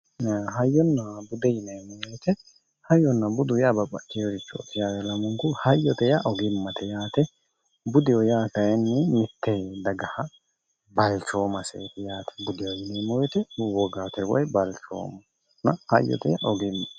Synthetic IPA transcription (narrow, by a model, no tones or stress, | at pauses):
ɦɐjːɔnːɐbʊd̪ɛjɪnɛmɔjjt̪ɛ | hɐjɔnːɐbʊd̪ʊjabɐpʼːɐt͡ʃːɛjɔɾɪt͡ʃːɔɔ̰t̪ːɪjaːwɛlɐmʊŋkʊhɐjːɔt̪ɛjaʔɔɡɪmːɐt̪ɛjaːt̪ɛ | bʊd̪ɪjɔjaːkɐjɛnːɪmɪt̪ːɛd̪ɐɡɐhɐ | bɐlt͡ʃoːmɐsɛ̰ːt̪ɛjaːt̪ɛ̥bʊd̪ɪwɔjɪnɛːmɔjt̪ɛwɔɡaːt̪ɛwɔ̰jbɐlt͡ʃo̰ːm | nɐhɐjːɔ̰t̪ɛjɐ̰ʔɔɡɪmːɐ